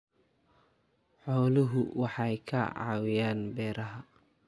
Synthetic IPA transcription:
ħɔːlʊɦʊwɑħɑjkʰɐʕɑ̰ːwɪjaːnbɛːɾɐɦɐ

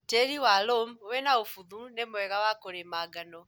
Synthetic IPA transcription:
teɾiwalomoβɛnaofuðunemwɛɣawakoɾemaɡanɔ

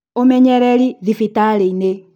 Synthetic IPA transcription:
omɛɲɛɾɛɾiðifitaɾeine

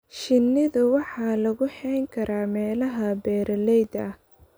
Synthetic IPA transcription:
ʃɪnːɪðʊwɑħɑːlɐɣʊħɛjŋkʰɐɾʔaːmɛːlɐɦɐbɛːɾɐlɛjd̪ɐh

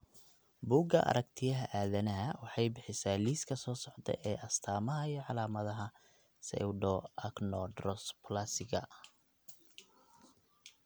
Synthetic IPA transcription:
buːɡɐ̰ʔɐ̰ɾɐkt̪ʰɪjɐɦɐʔaːðɐnɐɦɐwɑħɑjbɪħɪsaːliːskʰɐsɔːsɔʕd̪ɛ̰ʔɛːʔɐst̪ʰaːmɐɦɐijɔʕɑlaːmɐðɐɦɐ | sɛ̰wɖɔʔɐknɔɖrɔspʰlasɪɣɐ̰

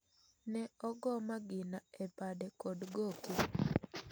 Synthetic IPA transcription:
nɛɔɡɔmaɡɪnaepadɛkɔdɡoke

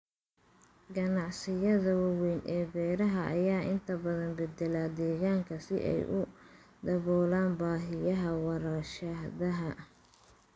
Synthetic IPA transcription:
ɡɐnɑʕsɪjɐðɐwɑwɛjnʔɛːbɛːɾɐɦɐʔːjaːʔɪnt̪ʰɐbɐðɐnbɛd̪ɛlaːd̪ɛːɣaːŋkʰɐsɪ̰ʔɛ̰jʔʊ | d̪ɐβɔːlaːnbaːɦɪjɐɦɐwɑɾɐʃɐðɐɦɐ

